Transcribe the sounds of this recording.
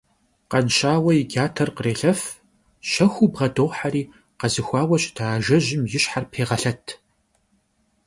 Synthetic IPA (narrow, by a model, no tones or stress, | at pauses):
qɐnɕaːwɐjɪɡʲaːtʰɐrqəreːɬɐf | ʃɐxʷubʁɐdoːwħariː | qɐzɨxʷɑːwɐɕʼd̥aːʒɐʑɪmjɪɕħarpʰeːʁɐɬɐtʰ